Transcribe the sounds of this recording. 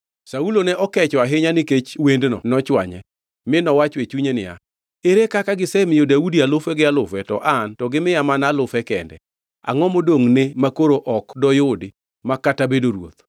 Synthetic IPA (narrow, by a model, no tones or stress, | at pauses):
saulonɛʔɔkɛt͡ʃɔaɦɪɲanɪket͡ʃwendnɔ̰nɔt͡ʃwa̰ɲɛ̰ | mɪnɔwat͡ʃwet͡ʃuɲenɪ̰a̰ | eɾekakaɡɪsɛmɪjodaudialʊfɛɡɪalʊfɛtɔ̰ʔantɔɡɪmɪjamanalʊfɛkɛndɛ̰ | a̰ŋɔmodoŋnemakoɾoʔɔkdɔjʊdɪ | makatabedoɾwo̰t̪̚